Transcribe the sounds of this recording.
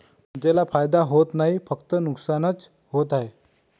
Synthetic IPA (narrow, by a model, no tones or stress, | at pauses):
d͡ʑelafajd̪aɦot̪naɦifəkt̪ənuksanət͡s | ɦot̪aɦe